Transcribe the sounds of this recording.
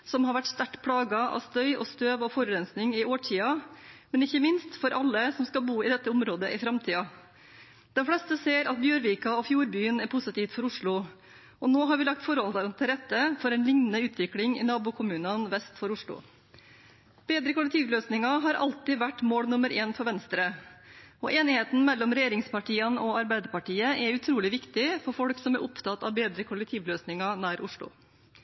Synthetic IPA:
sɔmhɑɾʋæʈst̪æʈːpʰɽɑːɡɑɑ̰st̪œʏʔɔst̪øːʋɔfoːɾʉɾɛnsnɪŋɪoːʈʰiːɑmɛnɪçːəmɪnst̪fɔɾʔɑlːəsɔmskɑbuːɪd̪ɛt̪ːəʊmɾoːd̪əʔɪfɾɑmt̪ʰiːɑ | d̪̥ɛnfɽɛst̪əseːɾɑt̪̚bjøːɾʋiːkɑɔfjuːɾbyːənæɾpʰʊsət̪iːft̪fɔɾʊʂɭʊ | ʔɔnoːɦɑɾʋɪlɑk̚t̪fɔɾhɔld̪ɑɾɑnt̪ʰɪɾɛt̪ːəfɔɾɛːnlɪŋnənəʉːt̪ʰʋɪklɪŋɪ̰nɑːbuːkʰʊmʉːnənʋɛst̪fɔɾʊʂɭʊ̰ | b̥eːd̪ɾəkʊlɛk̚t̪ʰiːʋløːsnɪŋɑɦɑɾʔɑ̰lt̪ɪʋæʈːmoːɽnʊməɾeːnfɔɾʋɛnst̪ɾə | ɔ̰ʔeːnɪheːt̪n̩mɛlːɔmɾɛjeːɾɪŋspɑʈʰiːənɔɑɾbæɪd̪əɾpɑʈiːəʔɛɾʉt̪ʰɾuːlɪʋɪkt̪ɪfɔɾfɔlksɔmæɾʔʊpt̪ʰɑt̪ːɑ̰ʋbeːd̪ɾəkʰʊlɛk̚t̪ʰiːʋløːsnɪŋɑnæːɾʔʊʂɭʊ̰

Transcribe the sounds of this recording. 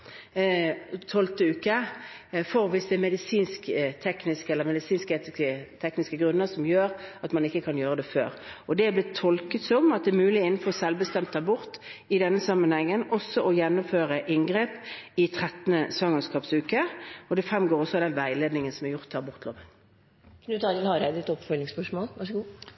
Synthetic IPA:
t̪ʰɔlt̪əʉːkə | fɔʁʋɪsd̪ɛmɛd̪ɪsiːnskt̪ʰɛknɪskɛləmɛd̪ɪsiːnskeːt̪ɪkət̪ʰɛknɪskəɡʁʉnːəsɔmjøːʁɑt̪mɑnɪkːəkʰɑnjøːʁəd̪ɛfø̰ːʁɔd̪ɛæblɪt̪ʰːɔlkət̪sɔmɑt̪̚d̪ɛːɾmʉːlɪɪnn̩fɔʁɔsɛlʋbəst̪ɛmt̪ʰːɑːbʊʁt̪ɪd̪ɛnːəsɑmːənhɛŋːənɔsːɔʔɔjɛnːɔmføːʁəʔɪŋɡʁeːpɪt̪ʰʁɛt̪nəsʋɑŋəskɑːpsʉːkəɔd̪ɛfʁɛmɡoːʁɔsːɔd̪ɛnʋæɪleːd̪nɪŋənsɔmɛɾjʊʁt̪ʰːɑːbʊʁt̪ʰlo̰ːʋən | kʰnʉːt̪ɑɾɪlhɑɾæɪd̪ɛt̪ɔpfœlɪŋspœʂmoːlʋɑʂəɡuː

